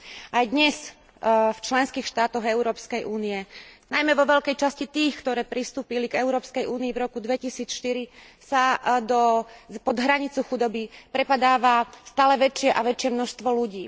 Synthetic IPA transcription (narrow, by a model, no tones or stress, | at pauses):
ajd̪ɲɛs | ft͡ʃlɛnskiːxʃt̪aːt̪ɔɣɛʊɾɔːpskɛjʔuːniɛnajmɛʋɔʋɛʎkɛjt͡ʃascit̪iːxkt̪ɔɾɛːpɾist̪uːpiliɡɛʊɾɔːpskɛjuːniivɾɔkud̪ʋɛcisiːt͡sʃt̪iɾisad̪ɔpɔd̪ɦɾaɲit͡suxud̪ɔbipɾɛpad̪aːʋast̪aːlɛʋɛt͡ʃɪɛʔaʋɛt͡ʃɪɛmnɔʃst̪ʋɔluɟiː